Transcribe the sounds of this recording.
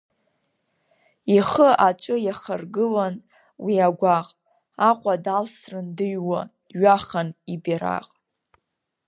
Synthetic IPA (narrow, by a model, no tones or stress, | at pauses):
iχəʔat͡ʃʷʼʊjaχarɡɨlan | wiaɡʷaqʼ | aqʷʼadalsrɨndɨɥwa | ɥaχanibiɾa̰qʼ